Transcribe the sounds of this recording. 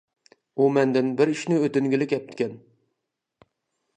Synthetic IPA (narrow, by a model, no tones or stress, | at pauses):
umænd̪ɪnbɪɾɪʃnɪɵt̪ɪŋɡʲɪlɪkʲɛp̚t̪ʰɪ̥kʲɛn